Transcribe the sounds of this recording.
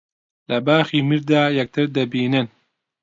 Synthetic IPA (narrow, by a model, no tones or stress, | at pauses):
lɐbaːxiːmiɾd̪aːjɛk̚t̪ʰɨɾd̪ɐbiːnɨn